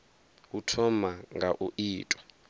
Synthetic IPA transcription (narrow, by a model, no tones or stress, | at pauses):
utʰɔmaŋɡʱaʔuʔiːtʼɔ̥